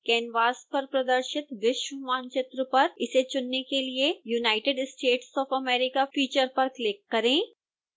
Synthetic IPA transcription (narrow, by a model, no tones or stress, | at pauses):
kɛːnʋaːspɐɾpɾɐd̪əɾʃɪt̪ʋɪʃwəmaːnt͡ʃɪt̪ɾəpɐɾɪset͡ʃʊnːekeliejunaːɪʈeɖsʈeːʈsɔːfɐmeːɾɪkafiːt͡ʃəɾpɐɾklɪkːɐɾẽː